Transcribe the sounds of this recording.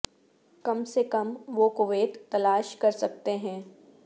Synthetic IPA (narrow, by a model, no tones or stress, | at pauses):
kɐmsekɐmʋokʊʋeːt̪t̪ːɐlaːʃkɐɾsɐk̚t̪eɦɛ̃ː